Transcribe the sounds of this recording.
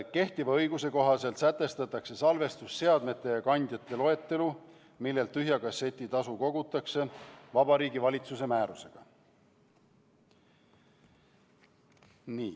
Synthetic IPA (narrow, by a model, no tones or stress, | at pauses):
ke̞ht̪ivɑɤjɡ̥use̞ko̞ɦɑse̞lt̪sæt̪ːe̞st̪ɑt̪ːˑɑkse̞sɑlve̞st̪usːe̞ɑd̪me̞t̪ːˑe̞jɑkɑnʲd̪̥jɑt̪ːˑe̞lo̞e̞t̪ːe̞lu | milːe̞lt̪ːyɦjɑkɑse̞t̪ʲːˑit̪ɑsuko̞ɡ̥ut̪ːˑɑkse̞vɑbɑɾiːɡivɑlʲit̪suse̞mæːɾuse̞ɡ̥ɑ | niː